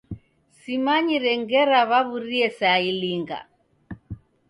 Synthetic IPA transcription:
simaɲiɾɛŋɡɛɾaβaβuɾiɛsailiŋɡa̰

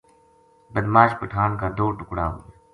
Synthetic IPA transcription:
bəd̪maːʃpəʈʰaːnkãːd̪oːʈʊkɽa̰ːɦuːe

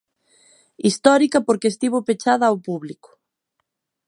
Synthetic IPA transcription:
ist̪ɔɾikɐpoɾkeːst̪iβopet͡ʃaðɐawpuβlikʊ̥

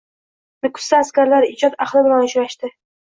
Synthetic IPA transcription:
nɪkʰʊ̥st̪aːskʲaɾlaɾɪːd͡ʒɒt̪aχlˠɪbɪlanʊʃɾaʃt̪ɪ

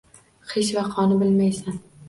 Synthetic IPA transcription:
χeʃvaqʰɒnɪbɪlmajsan

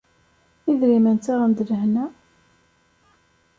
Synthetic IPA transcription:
iðɾimənt̪aʁənd̪ləhnæ

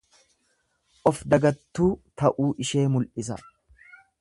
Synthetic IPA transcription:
ʔɔfd̪ɐɡɐt̪ːuːt̪ɐʔuːʔɪʃeːmʊlʔɪs̬ɐ

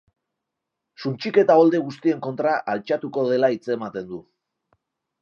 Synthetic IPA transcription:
sunt͡ʃike̞t̪ao̞ld̪e̞ɣust̪ie̞ŋko̞nt̪ɾaʔalt͡ʃat̪uko̞ð̞e̞lait͡se̞mat̪e̞nd̪u

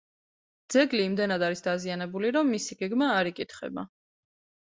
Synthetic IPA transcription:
d̪̥z̥ɛɡliːmd̪ɛnad̪aɾisd̪azianɛbuliɾɔmːisiɡ̥ɛɡmaːɾikʼit̪ʰχɛ̰ba̰

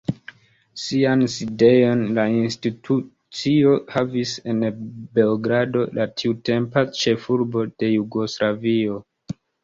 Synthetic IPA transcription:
sianside̞jo̞nlainstitʰu | t͡sio̞havise̞nbe̞oɡɾado̞lʔatʰiute̞mpat͡ʃe̞fuɾbo̞d̥e̞juɡo̞slavio̞

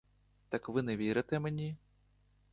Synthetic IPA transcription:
t̪ɐkvɨnɛvʲeɾɐt̪ɛmnʲi

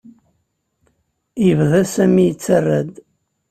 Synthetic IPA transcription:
jəvðæsæmijət͡sːərːæd̪

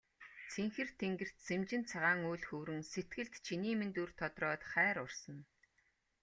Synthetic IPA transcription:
t͡sʰeŋxɘ̆rt̪ʰeŋɡɘ̆r̥t̪t͡sʰemt͡ɕɪ̆nt͡sʰaʁaːŋuːɮxuːɾɘ̆ŋset̪ɡɘ̆ɮt̪t͡ɕʰiniːment̪urt̪ʰɔt̪rɔːt̪χæːɾʊrsə̆n

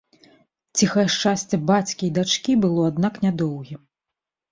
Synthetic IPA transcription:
t͡sʲixɐjɛʂt͡ʂasʲt͡sʲɛbat͡sʲkʲijd̪at͡ʂkʲibɨlˠɔad̪naknʲad̪ɔwɣʲi

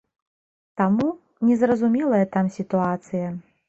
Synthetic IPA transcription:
t̪amu | nʲɛzrɐzumʲɛlˠɐjɐt̪amsʲit̪uat̪sɨjɐ

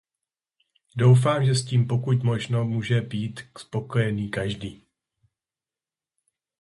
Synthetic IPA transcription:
do̞wf̬aːmʒɛsciːmpo̞kucmo̞ʒno̞muːʒɛbiːt̪spo̞ko̞jɛniːkaʒdiː

